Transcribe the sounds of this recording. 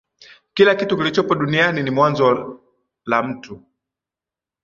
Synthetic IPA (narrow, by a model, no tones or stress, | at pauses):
kilakitukilit͡ʃɔpɔɗunianinimwanzɔ | lam̩tu